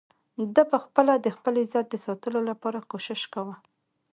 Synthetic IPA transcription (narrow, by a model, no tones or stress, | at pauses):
d̪əpəxpəlad̪əxpəlezɑt̪̚d̪əsɑt̪əlolapɑɾakoʃɪʃkawə